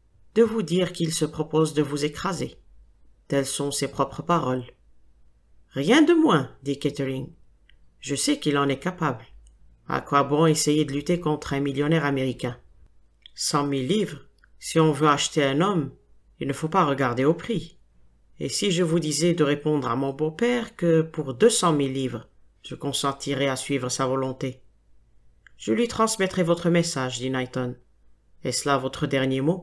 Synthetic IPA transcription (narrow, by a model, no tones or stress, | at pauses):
d̪̥əvud̪iʁkilsəpχɔpozd̪əvuzekχaze | t̪ɛlsɔ̃sepχɔpχəpaʁɔl | ʁjɛ̃d̪əmwɛ̃d̪ikɛt̪əʁiŋ | ʒəsɛkilɑ̃nɛkapabl | a̰kwabɔ̃esejed̪əlyt̪ekɔ̃t̪χɛ̃miljɔnɛʁameʁikʲɛ̃ | sɑ̃milːivʁ | siɔ̃vøaʃt̪eɛ̃nɔm | ilnəfopaʁəɡaʁd̪eopχi | ḛsiʒəvud̪izɛd̪əʁepɔ̃d̪ʁamɔ̃bopɛʁkəpuʁd̪øsɑ̃milːivʁə | ʒ̥əkɔ̃sɑ̃t̪ʰiʁɛasɥivʁəsavɔlɔ̃t̪e | ʒ̥əlɥit̪χɑ̃smɛt̪χɛvɔt̪χəmesaʒd̪inajt̪ɔn | ɛsəlavɔt̪χəd̪ɛʁnjemo